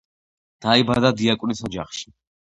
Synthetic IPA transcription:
d̪̥aibad̪ad̪iakʼwnisɔd͡ʒa̰χʃi̥

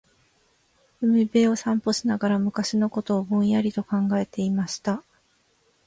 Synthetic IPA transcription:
ɯ̟mʲibe̞ːo̞sãmpo̞ɕinaɡaɾamɯ̟kaɕino̞ko̞t̪o̞ːbõɰ̃jaɾʲit̪o̞kãŋɡae̞t̪e̞imaɕi̥t̪a

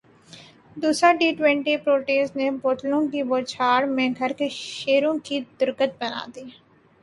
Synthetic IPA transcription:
d̪uːsɾaɖiːʈwɛ̃ːɳʈipɾoːʈeːsneboːʈlõkiboːt͡ʃʰaːɽmẽɡʱɐɾkeʃeːɾõkid̪ʊɾkət̪̚bɐna̰ːd̪iː

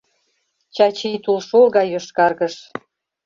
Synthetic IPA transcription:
t͡ɕɑt͡ɕijt̪ulʃolɣɑjoʃkɑrɣəʃ

